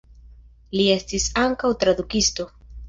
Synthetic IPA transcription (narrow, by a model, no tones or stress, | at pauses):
lie̞stisaŋkawt̪ɾad̪ukisto̞